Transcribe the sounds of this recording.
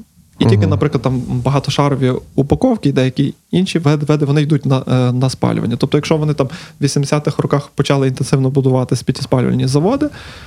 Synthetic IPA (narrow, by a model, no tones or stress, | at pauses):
itʲilʲkɪnɐpɾɪklˠɐd̪t̪mbɐɦɑt̪ɔʃɑɾɔʋʲiupɐkɔwkʲijd̪ɛjɐkʲi | inʃʲiʋɛd̪ʋɛd̪ɪʋɔnɪjid̪utʲnɐnɐspɑ̰l̰ʲʋɐ̰nʲːɐt̪ɔp̚t̪ɔjɐkʃɔʋɔnɪt̪ɑmʋʲisʲimd̪esʲat̪ɪxrɔkɑxpɔt͡ʃɑlˠɪint̪ensɪwnɔbʊd̪ʊʋɑt̪ɪsʲpʲit̪ʲispɑlʲʋɐ̰nʲizɐʋɔd̪ɪ